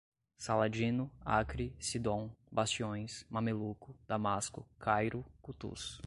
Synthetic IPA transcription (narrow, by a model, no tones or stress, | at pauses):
salad͡ʒĩnʊakɾisid̪õw̃bast͡ʃiõj̃smamelukʊd̪̥amaskʊ̰kʰajɾʊkut̪ṵs